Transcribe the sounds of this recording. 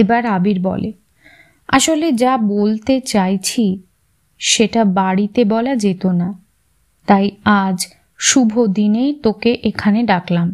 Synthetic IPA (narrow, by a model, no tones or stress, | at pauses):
ebaɾabiɾbɔ̰le | a̰ʃoled͡ʑabolt̪et͡ɕajt͡ɕʰi | ʃeʈabaɽit̪ebɔlad͡ʑet̪ona | t̪ajad͡ʑ | ʃubʱod̪inejt̪okeʔekʰaneɖaklam